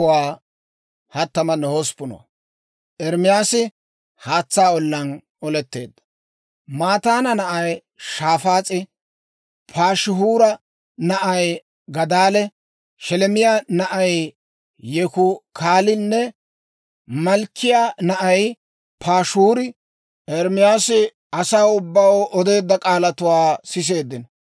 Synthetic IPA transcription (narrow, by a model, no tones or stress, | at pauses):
ʊwaː | hɐt̪ːɐmɐnɔhospːʊnɔ̰ | ʔɛɾmɪjaːsɪ | haːt͡sːaːɔlːɐn | ɔlɛt̪ːe̞̰ːd̪ːɐ̥ | maːt̪aːnɐnɐʔɐj | ʃaːfaːt͡sʼɪ | pʰaːʃɪɦuːɾɐ | nɐʔɐj | ɡɐd̪aːlɛ | ʃɛlɛmɪjanɐʔɐj | jɛkʊkʰaːlɪnːɛ | mɐlkʰːɪjanɐʔɐj | pʰaːʃuːɾɪ | ɛɾmɪjaːsɪ | ɐsaːwʊbːɐwɔd̪e̞ːd̪ːɐkʼaːlɐt̪ʊwaːsɪs̬e̞ːd̪ːɪnɔ